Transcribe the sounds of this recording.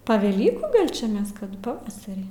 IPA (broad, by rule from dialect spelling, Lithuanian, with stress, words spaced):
pɐ ʋʲɛˈlʲiːkuː ˈɡɐlʲ t͡ʃʲɛ ˈmʲɛs ˈkɐt pɐˈʋɑːsɐrʲiː